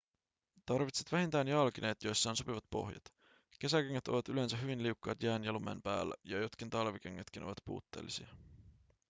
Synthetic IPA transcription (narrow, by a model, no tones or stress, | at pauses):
t̪ɑrʋit̪set̪ʋæɦint̪æːnjɑlkine̞ːt̪jo̞jsːɑːnso̞piʋɑt̪po̞̰hjɑ̰t̪ | k̟e̞sækeŋːæt̪o̞̰ʋɑt̪yle̞nsæɦyʋinliukːɑːt̪jæːnjɑlumḛnpæ̰ːlːæ̰jɑjot̪k̟int̪ɑlʋikeŋːæt̪k̟ino̞̰ʋɑt̪pṵːt̪ːe̞̰ːlːisḭɑ